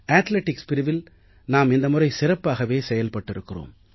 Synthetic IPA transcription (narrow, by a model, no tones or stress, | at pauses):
aːt̪leʈːɪkspɪɾɪʋɪl | naːmɪnd̪ɐmʊrɐɪsɪrɐpːaːɣɐʋeːsɛjɐlpɐʈːɪɾɯkːɪro̰ːm